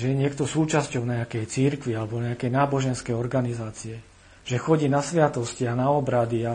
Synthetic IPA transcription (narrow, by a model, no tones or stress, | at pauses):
ʒɛjɛɲɪɛkt̪ɔsuːt͡ʃascɔʊɲaakɛjt͡siɾkʋialɛbɔɲɛakɛjnaːbɔʒɛnskɛjɔɾɡanizaːt͡siɛ | ʒ̥ɛxɔɟiːnasʋɪat̪ɔscianaɔbɾad̪ia